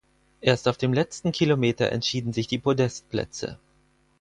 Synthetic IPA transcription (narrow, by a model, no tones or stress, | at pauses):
ʔeːɐstaʊfd̥eːmlɛt͡stn̩kʰilomeːtɐ̰ʔɛ̰ntʃiːdn̩zɪçd̥iːpʁodɛst̚plɛ̰t͡sə̰